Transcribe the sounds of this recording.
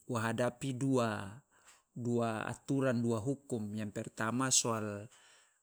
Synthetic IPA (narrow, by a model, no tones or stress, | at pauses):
waɦadapidua | duaa̰t̪uɾanduaɦukumjaŋpɛrt̪amasɔal